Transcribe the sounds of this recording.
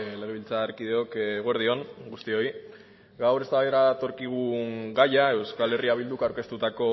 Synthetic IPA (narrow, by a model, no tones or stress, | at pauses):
le̞ɣ̞eilt͡saɾkið̞e̞o̞kːɣ̞o̞eɾð̞io̞ŋɡust̪io̞i | ɡawɾe̞st̪aβaeɾat̪o̞ɾkiɣuŋɡajae̞wskale̞riaβ̞ild̪ukawɾke̞st̪ut̪ako̞